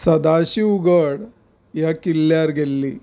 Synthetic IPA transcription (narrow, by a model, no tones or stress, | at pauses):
sɐd̪aːɕiuɡəɽ | jakilːjaːɾɡelːi